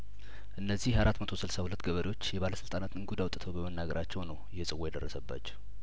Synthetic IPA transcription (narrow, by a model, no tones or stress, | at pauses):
ʔɨnːəzːihaɾat̪mət̪ʰo̞sɨlsahulət̪ːɡəβəɾio̞t͡ʃːjɛβaləsɨlt̪ʼanat̪ɨnɡud̪awt̪ʼɨt̪ʰəwbəmənːaɡəɾʔat͡ʃːɛwnəwjɛsʼɨwojɛd̪ərːəsəbːa̰t͡ʃːɛ̥